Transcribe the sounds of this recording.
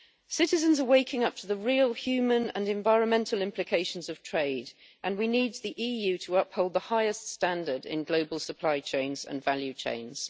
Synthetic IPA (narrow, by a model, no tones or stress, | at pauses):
sɪtɪzə̃nzəweɪkʰɪ̃ŋʌp̚tʰəðəɹiːəlˠhjʉːmə̃nə̰̃nɪ̃ɱvaɪɹə̃nmɛ̃ntʰˡəlɪ̃mpʰlɪkʰeɪʃə̃nzəv̥tʰɹ̥eɪd | ʔə̃nwiniːd̪̚ðiʔiːjʉːtʰəʌphoʊlˠd̪̚ðəhaɪɪststæ̃ndədɪ̰̃nɡləʊbəlˠsəpʰl̥aɪt͡ʃʰẽɪ̃nzə̰̃nvaljʉt͡ʃʰḛ̃ɪ̃nz̥